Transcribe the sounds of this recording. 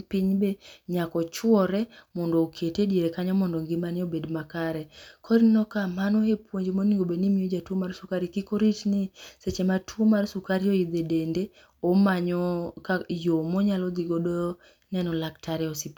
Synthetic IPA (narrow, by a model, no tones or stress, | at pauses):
piɲbeɲakɔt͡ʃwɔɾɛmɔndɔːkʰetedieɾekaɲɔmɔndɔŋɡɪmanɪobedmakaɾɛkʰɔɾinɔkamanohepwoɲd͡ʒemoniŋɡobenimiod͡ʒatomarsukaɾikikoɾitniset͡ʃematʰuomarsukaɾiɔid̪edende | omaɲɔkajomɔɲalɔd̪iɡodɔ | nɛnɔlaktʰaɾɛɔsip